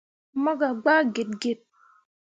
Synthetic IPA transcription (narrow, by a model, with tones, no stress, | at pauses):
mɔ˦ɡa˨ɡ͡ba˦ɡe˨t̚ɡe˨t̚